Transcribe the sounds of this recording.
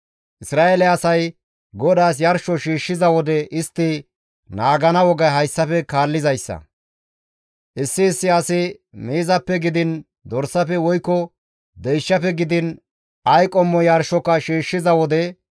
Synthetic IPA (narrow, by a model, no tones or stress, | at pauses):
ʔɪsɾaːʔɛlɛɐsɐj | ɡɔd̪aːs̬jɐɾʃɔʃiːʃːɪzɐwɔd̪ɛʔɪst̪ːɪ | naːɡɐnɐwɔɡɐjɦɐjsːɐfɛkaːlːɪzɐjsːɐ̰ | ʔɪsːɪːsːɪɐsɪmeːzɐpːɛɡɪd̪ɪn | d̪ɔɾsːɐfɛwɔjkːɔ | d̪ɛjʃːɐpɛɡɪd̪ɪn | ɐjkʼɔmːɔjɐɾʃɔkːɐʃiːʃːɪzɐwɔd̪ɛ